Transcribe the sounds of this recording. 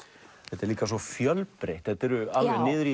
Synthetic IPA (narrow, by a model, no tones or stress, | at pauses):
θɛt̪ɛɾliːkas̬ɔfjœlpɾejht̪θɛt̪ɛɾʏalvɛðnɪːðɾi